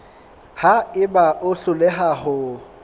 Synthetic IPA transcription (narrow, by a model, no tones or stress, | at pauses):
haɪbaʔʊɬʊleɦaɦʊ